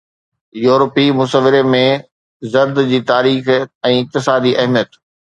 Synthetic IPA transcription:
juːɾəpimʊsəʋɪɾemẽ | zɐɾd̪d͡ʑiːt̪aːɾiːxɛ̃ːɪk̚t̪ɪsaːd̪iʔɐɦmijət̪

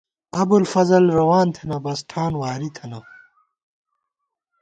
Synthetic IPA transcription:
ɐbulfɐzɐlɾɐwaːnt̪ʰenɐbɐsʈʰaːnwaːɾit̪ʰɐnɐ

